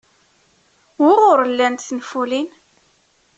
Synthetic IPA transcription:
wiʁʊɾəlːænt̪θnfulin

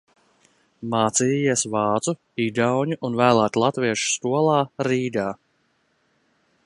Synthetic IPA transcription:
maːt̪siːiɛsvɑːt̪su | id̪awɲuʔunvæːlˠæːt̪lˠat̪viɛʃu̥st̪uɔlˠɑːɾiːd̪aː

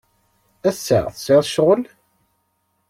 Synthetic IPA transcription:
æsːæ̰ʁθə̥seðˤʃʁəl

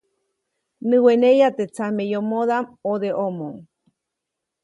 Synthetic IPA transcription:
nɨ̃wenejat̪et͡samejomoðamoðeʔomoŋ

